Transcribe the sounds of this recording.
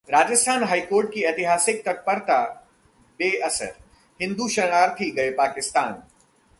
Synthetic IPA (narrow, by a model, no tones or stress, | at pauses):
ɾaːd͡ʑəst̪ʰaːnɦaːikoːɾʈ̚kiɐt̪ɪɦaːsɪk̚t̪ɐk̚pɐɾt̪a | beːɐsə̰ɾ | hɪ̃nd̪uʃɐɽ̃aːɾt̪ʰiɡɐepaːkɪst̪aːn